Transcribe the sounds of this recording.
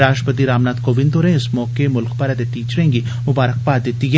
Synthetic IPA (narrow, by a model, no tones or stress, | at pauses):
ɾaːʃʈpət̪iːɾaːmnaːd̪koːʋɪ̃nd̪oːɾẽːɪsmɔːkemʊlkpəɾɛd̪et̪iːt͡ʃɾəẽŋɡiː | mʊbaːɾək̚paːd̪ɪt̪ːiːɡɛ